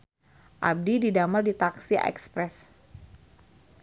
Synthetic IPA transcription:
ʔa̰b̚dididamaldit̪aksiʔɛ̰kspɾɛs

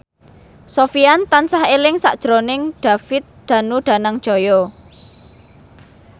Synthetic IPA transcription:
sofiant̪ansahelɪŋsa̰ʔd̥ʒ̥ɾonɪŋɖ̥a̤fɪt̪̚d̪̥ä̤nuɖ̥a̤naŋ̥ʒ̥o̤jo

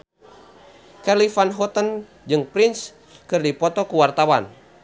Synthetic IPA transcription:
kɛlifanɦɔt̪ən | d͡ʒɨŋpɾins | kɨrdipɔt̪ɔkuwart̪awan

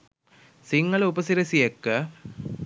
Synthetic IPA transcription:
siŋːɐɭupɐsiɾɐsijɐkːɐ

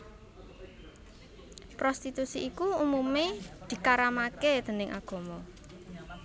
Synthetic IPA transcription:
pɾɔst̪it̪usiʔikuumumed̪̥i̤kaɾamaked̪̥ə̤nɪŋʔa̰ɡ̥ɔ̤mɔ

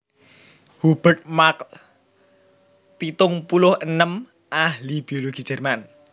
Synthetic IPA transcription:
hub̥ərt̪̚mak | pit̪ʊŋpulʊhʔənəm | ʔaɦlib̥ioloɡ̥id͡ʒ̥ɛrman

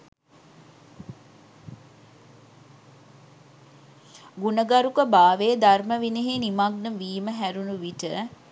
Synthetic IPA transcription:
ɡunəɡaɾukəbaːʋeːd̪arməʋineɦeːnimaɡnəmʋiːməɦæɾunuʋiʈə

